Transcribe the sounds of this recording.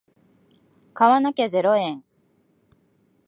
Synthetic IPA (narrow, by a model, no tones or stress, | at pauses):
kaβanakeze̞ɾoẽŋ